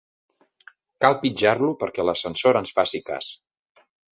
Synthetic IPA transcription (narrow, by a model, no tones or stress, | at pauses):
kalˠpid͡ʒarlupəɾkɛləsənsoɾənsfasika̰s